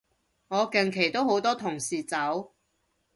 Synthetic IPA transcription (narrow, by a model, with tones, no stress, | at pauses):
ŋɔː˨˧kɐ˨ŋkʰe˨˩jt̪o˥who˨˥wt̪ɔː˥t̪ʰʊ˨˩ŋsiː˨t͡sɐ˨˥w